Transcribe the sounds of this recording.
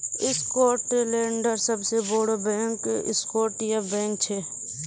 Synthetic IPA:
ɪskoːɾʈeleːɳɖəɾsəbseboːɽəbẽːŋkɪskoːɾʈjabɛ̃ːŋk̚t͡ʃʰeː

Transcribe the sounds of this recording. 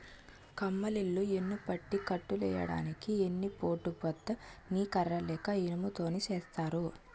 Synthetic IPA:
kɐmːɐlilːuenːupɐʈːikɐʈːulɛ̰ːjɐ̰ɽa̰ːnikienːipo̞ːʈːupɐt̪ːɐniːkɐɾːɐlɛːkɐinɐmut̪o̞ːnit͡ʃeːst̪aːɾu

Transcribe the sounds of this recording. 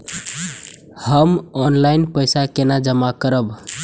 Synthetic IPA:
həmɔnlainpəɪsakenad͡ʒəmakəɾəb

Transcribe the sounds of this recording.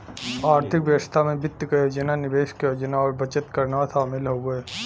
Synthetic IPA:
aːɾt̪ʰɪkʋjəʋəst̪ʰamẽbɪt̪ːəkjoːd͡ʒənanɪʋeːʃkjoːd͡ʒnaɔːɾbɐt͡ʃət̪kɐɾnaasaːmɪlɦoɡəeː

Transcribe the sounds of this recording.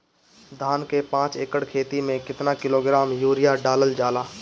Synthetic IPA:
d̪ʱaːnkepãːt͡ʃeːkəɽkʰeːt̪imẽkɪt̪nakɪloːɡɾaːmjuːɾijaɖaːləld͡ʒaːlaː

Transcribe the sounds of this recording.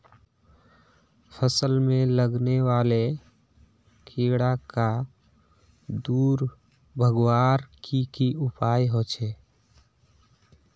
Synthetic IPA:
pʰəsəlmẽləɡneʋaːle | kʰeɽaka | d̪uːɾ | bʱəɡwaːɾkikiʊpaːjɦot͡ʃʰɛː

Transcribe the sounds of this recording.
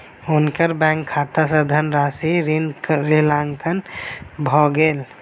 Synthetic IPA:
ʊnkəɾbɛ̃ŋkʰːat̪asəd̪ʱənɾasiɾinɾilaŋkənbʱɔɡeːl

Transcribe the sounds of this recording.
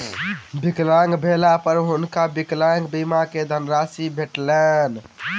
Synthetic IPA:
biklãŋɡbʱelapəɾɦunkabiklãŋɡbimaked̪ʱənɾasibʱeʈlɛn

